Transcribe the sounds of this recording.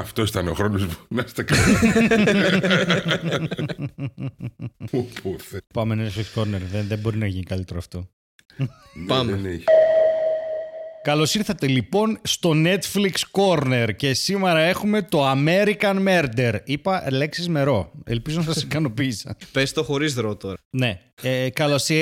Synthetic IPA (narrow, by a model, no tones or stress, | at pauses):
ɐft̪osit̪ɐnoxɾonozbonɐst̪ɐkɐ | poθpɐmenet̪fliksko̞ɾneɾðeðebo̞ɾinɐʝinikɐlit̪e̞ɾoɐft̪o̞ | pɐmne | kɐlo̞siɾθɐt̪e̞lipo̞nst̪o̞ne̞t̪fliksko̞ɾne̞ɾce̞sime̞ɾɐe̞xume̞t̪o̞ɐme̞ɾikɐnmeɾd̪e̞ɾipɐleksizme̞ɾo̞e̞̰lpizonɐsɐsikɐno̞pisɐ̰pest̪oxo̞ɾizðɾot̪o̞ɾɐne̞ | ekɐlo̞si